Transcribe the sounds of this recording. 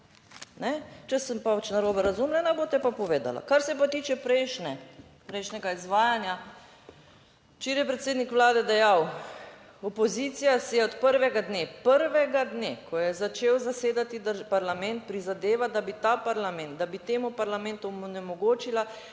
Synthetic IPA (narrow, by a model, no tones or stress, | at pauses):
nɛt͡ʃɛsəmpaat͡ʃnaɾoːbɛɾazuːmlɛnaboːt̪ɛpapɔʋeːd̪a̰la̰kaɾsɛp̬at̪iːt͡ʃɛpɾɛjʃnɛ | pɾɛjʃnɛɡaizʋaːjanja | t͡ʃiɾjɛpɾɛt̪seːd̪nikʋlaːd̪ɛd̪ɛjaw | ɔpɔzit̪sijasɛjɛɔt̪pəɾʋɛɡad̪neːpəɾʋɛɡad̪nekʰɔjɛzat͡ʃeːwzaseːd̪at̪id̪apaɾlamɛnt̪̚pɾizad̪eːʋad̪abit̪aːpaɾlamɛnt̪̚d̪abit̪eːmupaɾlamɛ̃nt̪unɛmɔɡoːt͡ʃila